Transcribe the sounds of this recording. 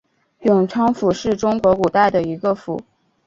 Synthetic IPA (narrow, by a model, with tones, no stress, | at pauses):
jʊ˨˩ŋʈ͡ʂʰɑ˥ŋfu˨˩ʂɻ̩˥˩ʈ͡ʂʊ˥ŋkwɔ˧˥ku˨˩t̪a˥˩ɪd̪ə˩i˧˥ɡə˧fṵ˨˩˦